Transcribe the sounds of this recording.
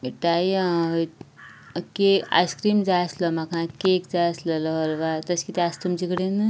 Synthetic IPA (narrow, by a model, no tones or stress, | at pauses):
ʈaj | kea̰skɾimd͡ʒaslɔmakãkekd͡zaslɐlɔɾʋat̪ɐskit̪iast̪umd͡ʒikɽenɨ